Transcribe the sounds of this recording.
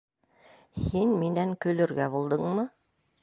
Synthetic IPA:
hinminæŋkɵ̆lɵ̆ɾɡæbulˠd̪ɤɴmɤ

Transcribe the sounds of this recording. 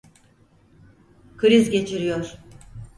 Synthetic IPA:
kʰɯɾizɟe̞t͡ʃʰiɾijo̞ɾ̥

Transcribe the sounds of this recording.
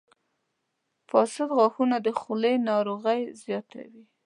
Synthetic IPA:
fɑsɪd̪ɣɑxunad̪əxulejnɑɾoɣəjzjɑt̪a̰wi

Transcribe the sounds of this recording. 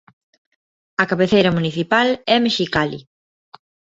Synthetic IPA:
ɐkaβeθejɾɐmuniθipalɛmeʃikalḭ

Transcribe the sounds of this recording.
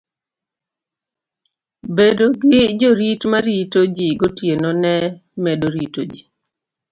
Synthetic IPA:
bedoɡɪd͡ʒoɾitmaɾitod͡ʒiɡotjenonɛmɛdoɾitod͡ʒi

